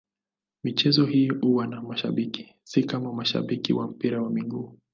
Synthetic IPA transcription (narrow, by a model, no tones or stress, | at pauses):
mit͡ʃɛzɔhihuwanamaʃa̰ɓiki̥ | sikamamaʃa̰ɓikḭwam̩piɾawamiŋɡuː